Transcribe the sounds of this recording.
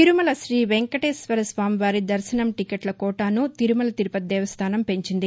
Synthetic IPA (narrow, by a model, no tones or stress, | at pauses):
t̪iɾumɐlɐʃɾiːʋeŋkɐʈeːsʋɐɾɐsʋaːmiʋaːɾid̪ɐɾʃɐnɐmʈikeʈlɐkɔːʈaːnut̪iɾumɐlɐt̪iɾupɐt̪̚d̪ɛːʋɐst̪ʰaːnɐmpe̞ɲt͡ʃind̪i